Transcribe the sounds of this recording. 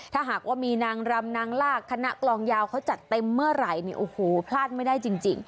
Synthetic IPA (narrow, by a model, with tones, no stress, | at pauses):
t̪ʰaː˥˩ɦaː˨˩k̚waː˥˩miː˧naː˧ŋɾa˧mnaː˧ŋlaː˥˩kʰːa˧na˦˥ʔklɔː˧ŋjaː˧wkʰa˦˥wt͡ɕa˨˩t̪ːe˧mːɯ˥˩ɐɾa˨˩jnḭ˧˩ʔoː˨˩hoː˨˩˦pʰlaː˥˩t̪̚ma˥˩jdaː˥˩jt͡ɕi˧ŋt͡ɕḭ˧ŋ